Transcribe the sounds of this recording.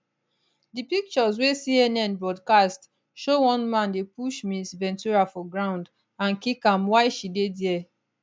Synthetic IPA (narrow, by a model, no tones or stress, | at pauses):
dipik̚t͡ʃɔz̬wesiɛnɛ̃nbɹɔdkast | ʃowɔ̃nmãndepuʃmisvɛ̃ntuɹafɔɡɹãʊ̃nd | ãnkikãmwaɪʃidedjɛ